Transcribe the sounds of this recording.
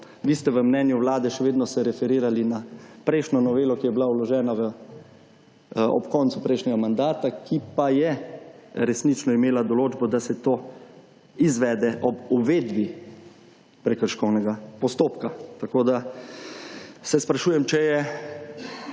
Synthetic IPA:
ʋist̪ɛʋəmnɛːnjuʋlaːd̪ɛʃɛʋeːd̪nɔsɛɾɛfɛɾiːɾalinapɾɛɪʃnʲɔnɔʋeːlɔkijɛbilaulɔʒɛːnaʋə | ɔ̰pkɔːnt̪supɾɛjʃnʲɛɡamand̪aːt̪akʰipajɛ | ɾɛsnit͡ʃnɔimeːlad̪ɔloːd͡ʒbɔd̪asɛt̪o | izʋɛːd̪ɛʔɔbuʋeːd̪bi | pɾɛkəɾʃkɔwnɛɡapɔst̪oːpkat̪akoːd̪a | sɛspɾaʃuːjɛmt͡ʃɛjɛ

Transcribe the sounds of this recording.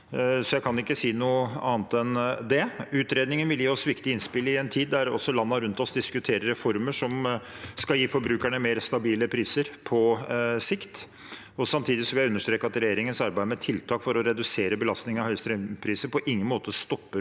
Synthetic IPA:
sɔjæɪkʰɑnɪkːəsiːnuːəɑːnt̪ɛnd̪ɛʉːt̪ɾeːd̪nɪŋənʋɪljiːɔsʋɪkt̪ɪɪnspɪlɪɛnt̪ʰiːd̪ːæɾɔ̰sɔlɑnːɑɾʉnt̪ɔsd̪ɪskʉt̪ʰeːɾəɾɛfɔɾməʂɔm | skɑljiːfɔɾbɾʉːkæɳəmeːɾst̪ɑbiːləpʰɾiːsəɾpʰɔsɪkt̪ | ɔsɑmt̪ʰiːd̪ɪsɔʋɪæʉnːəʂt̪ɾeːkːəɾɑt̪ɾɛjeːɾɪŋənsɑɾbæɪəmɛt̪ʰɪlt̪ʰɑːkfɔɾɔɾɛd̪ʉseːɾəbəlɑst̪nɪŋɑhœʏst̪ɾɛmpʰɾiːsəɾpʰɔʔɪŋːənmoːt̪əst̪ɔpːə

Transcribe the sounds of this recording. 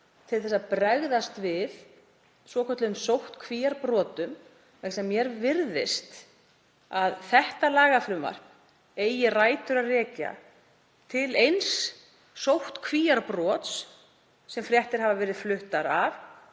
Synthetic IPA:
t̪ʰɪlθɛsːapɾɛɣðast̪vɪð | svɔːkʰœt̪lʏmsowht̪kʰviːjaɾpɾɔːt̪ʏm | ɛsɛmːjɛɾvɪɾðɪ̰st̪ | aðθɛht̪alaːɣafɾʏma̰ɾ̥ | eːjɪraːjt̪ʏɾaðrɛːca̰ | t̪ʰɪlejns | sowht̪kʰviːjaɾpɾɔːt̪s | sɛmfɾjɛht̪ɪɾ̥ɦavavɛːɾɪðflʏht̪aɾav

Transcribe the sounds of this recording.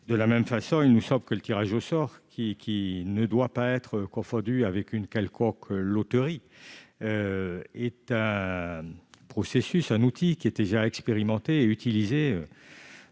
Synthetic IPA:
d̪əlamɛmfasɔ̃ilnusɑ̃bləkələt̪iʁaʒosɔʁkʲʰikʲʰinəd̪wapaɛt̪χəkɔ̃fɔ̃d̪yavɛkynkalkʰɔ̃kʰlot̪əʁi | øɛt̪ɛ̃ | pχɔsesysɛ̃nut̪ʰikʲiɛt̪eʒaɛkspeʁimɑ̃t̪eːyt̪ilizeø

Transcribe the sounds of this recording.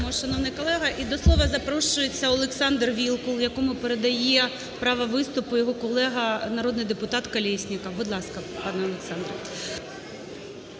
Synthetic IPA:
mɔʃɐnɔwnɪjkɔlˠɛɦɐʔid̪ɔslˠɔʋɐzɐpɾɔʃʊjet͡sʲːɐɔlˠeksɑnd̪rʋʲilˠkʊlˠjɐkɔmʊpeɾed̪ɐjɛ | pɾɑʋɐʋɪst̪ʊpʊjɔɦɔkɔlˠɛɦɐnɐɾɔd̪nɪjd̪epʊt̪ɑt̪kɐlʲɛsʲnʲɪkɐbʊd̪lˠɑskɐpɑnɛɔlˠeksɑnd̪ɾɐ

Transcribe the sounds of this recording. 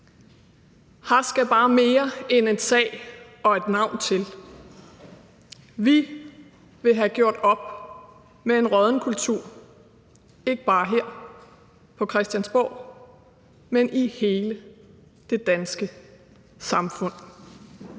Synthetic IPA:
hɑsɡ̥æb̥ɑ̈ːme̝ːɐene̝nsɛ̰ː | ɒ̽e̝d̥nɑ̈ʊ̰nt͡sʰe̝l | ʋi | ʋe̝ɦæɡ̥jo̝ɐ̰d̥ɒ̽b̥̚ | mee̝nʁɒðˠn̩əkʰult͡sʰuɐ̰ | e̝ɡ̥əb̥ɑ̈ːɦeɐ̰ | pʰɒ̽kʰʁɛsd̥jænsb̥ɒ̰ː | menʔihe̝ːlə | d̥e̝d̥ænsɡ̥ə | sɑ̈mfɔ̽n̰

